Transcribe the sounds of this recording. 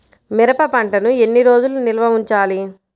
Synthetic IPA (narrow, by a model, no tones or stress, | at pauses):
miɾɐpɐpɐɳʈɐnue̞nːiɾo̞ːd͡ʒulunilɐʋɐʋiɲt͡ʃaːli